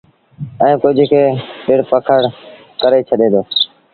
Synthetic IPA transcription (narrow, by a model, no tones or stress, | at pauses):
ɛ̃ːkʊd͡ʒʱkʰeːpɪɽpəkʰəɽ | kəɾeːt͡ʃʰəɗẽːd̪oː